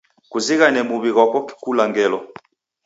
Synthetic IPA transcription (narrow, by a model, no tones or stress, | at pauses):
kuziɣanɛmuβiɣɔkɔki̥kulaŋɡɛlɔ